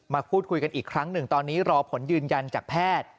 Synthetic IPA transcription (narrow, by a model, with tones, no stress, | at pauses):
maː˧pʰuː˥˩t̪̚kʰu˧jka˧nʔiː˨˩kʰɾa˦˥ŋnɯ˨˩ŋt̪ɔː˧nːiː˦˥ɾɔː˧pʰo˩˦njɯː˧nja˧nt͡ɕaː˨˩k̚pʰɛː˥˩t̪̚